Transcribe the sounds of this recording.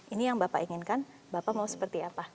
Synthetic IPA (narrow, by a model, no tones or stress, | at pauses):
inijaŋbapaʔiŋɪnkan | bapamausə̥pərt̪iapa